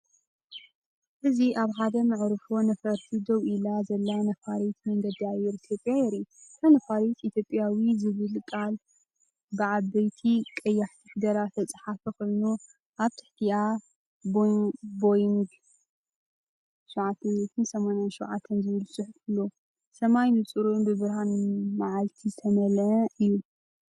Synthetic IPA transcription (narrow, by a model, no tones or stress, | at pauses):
ʔɨziʔaβħad̪ɐmɨʕɾɨfo̞nɐfɐɾt̪ʰid̪owʔilazɐlːanɐfaɾet̪mɐŋɡɐd̪iajːɛɾit̪ʰjo̞pʼjajɛɾik̪ʰɐnɐfaɾet̪it̪ʰjopʼːjawizɨβɨlkʼal | bɨʕaβɐjt̪ʰikʼɐjːaħt̪ʰifd̪ɐɾat̪ʰɐt͡sʼħafɐko̞jnu | ʔaβt̪ʰɨ̥ħt̪ʰia | bbojŋɡ | ʃɐwʕat̪ʰːɐnzɐt̪ʰɨnsɐmanjanʃɐwʕat̪ʰːɐnzɨβɨlbsʼɨħʊfkʰɨlːo | sɐmajnɨt͡sʼɨɾunbɨβɨɾɦanmaʕalt̪ʰizɨt̪ʰɐmɐlʕɐɨjːu